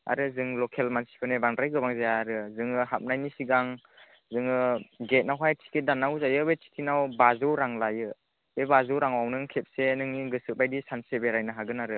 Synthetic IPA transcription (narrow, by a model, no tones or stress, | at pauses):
a̰ɾɯzɯŋlɔkʰelmansi̥pʰɯnebaŋdɾajɡɯbaŋzajaːɾɯzɯŋɯɦap̚najnisiɡaŋ | zɯŋɯɡet̚nawɦajtʰi̥kʰidanawzajɯbetʰi̥kʰinawbazɯwɾaŋlajɯ | bebazɯwɾaŋwawnɯŋkʰep̚senɯŋniɡɯsɯt̚bajdisansebeɾajnaɦaɡɯnaɾɯ